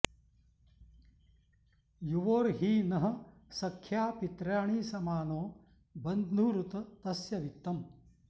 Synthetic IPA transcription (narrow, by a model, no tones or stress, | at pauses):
juʋoːɾɦiːnɐɦɐ̆sɐkʰːjaːpit̪ɾjaːɳiːsɐmaːnoː | bɐnd̪nuːɾut̪ɐt̪ɐsjɐʋit̪ːɐm